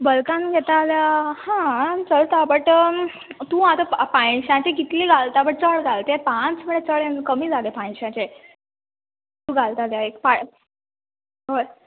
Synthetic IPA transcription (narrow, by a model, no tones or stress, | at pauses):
bəlkanɡʱɛt̪aljahãt͡səlt̪abəʈ | t̪ũːat̪əpãjɕãt͡ɕeɡit̪liːɡalt̪abəʈ̚t͡səɭɡalt̪epãt͡sməɳet͡səɭẽnkəmiːd͡zaɡepãj̃ɕãt͡ɕe | t̪ũːɡalt̪at̪jaekpa | bəɾ